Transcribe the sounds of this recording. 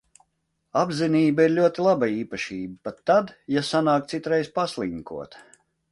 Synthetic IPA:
abziniːbaiɾlʲuɔt̪ilˠabaiːpaʃiːbəpat̪ːad̪jasanaːkt̪sit̪ɾejspaslˠiŋkṵɔt̪

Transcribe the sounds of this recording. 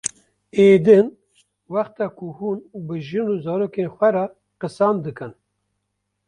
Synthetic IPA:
eːd̪ɨn | wɑxt̪ɑkʰuhuːnbɨʒɨnuːzɑːɾoːkeːnxʷɛɾɑ | qɨsɑːmd̪ɨkɨn

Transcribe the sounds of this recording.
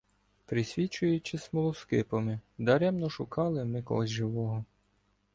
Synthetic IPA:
pɾɪsʲʋʲit͡ʃʊjʊt͡ʃɪsmɔlˠɔskɪpɔmɪd̪ɐɾɛmnɔʃʊkɑlˠɪmɪkɔ̰ɦɔzʲʒɪʋɔɦɔ

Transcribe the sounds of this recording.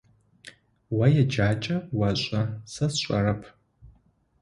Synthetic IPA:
wɐjɛd͡ʒaːt͡ʃʼɐwɐɕʷʼɐsɐsɕʷʼɐ̰rɐpʰ

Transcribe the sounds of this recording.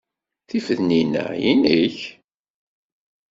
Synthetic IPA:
θifəðninæ̰jiniç

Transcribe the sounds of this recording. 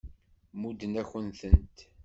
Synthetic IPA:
mud̪ənæçənθənt̪

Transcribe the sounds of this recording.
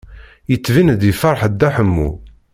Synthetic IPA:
jət͡sːvind̪ifɑɾˤħəd̪ːæħəmːṵ

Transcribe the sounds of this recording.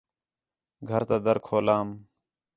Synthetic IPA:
ɡʱəɾt̪aːd̪əɾkʰoːlaːm

